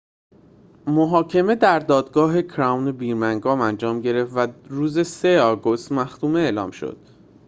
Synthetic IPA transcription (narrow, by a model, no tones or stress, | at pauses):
moɦɒːcʰe̞me̞d̪æɾd̪ɒːd̪ɡɒːɦe̞cʰɾæwnebiːɾmæŋɡɒːmænd͡ʒɒːmɟe̞ɾe̞fvæɾuːze̞seɒːɡo̞st̪mæxt̪uːmeeːlɒ̰ːmʃo̞̰d̪̥